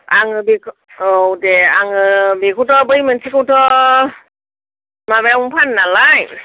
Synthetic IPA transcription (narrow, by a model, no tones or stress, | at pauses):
aŋɯbikʰ | owdeaŋɯbikʰutɔbɯjmɯnsikɯwtʰɔ | maβauŋpʰanːalaj